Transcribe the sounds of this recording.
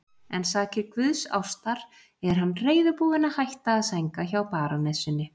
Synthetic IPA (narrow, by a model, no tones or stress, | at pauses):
ɛnsaːcɪɾkvʏðsa̰wst̪aɾ̥ | ɛɾ̥ɦanːreːjðʏpuːðɪnahajht̪aːðsajŋkaçawpaːɾanɛsʏnːɪ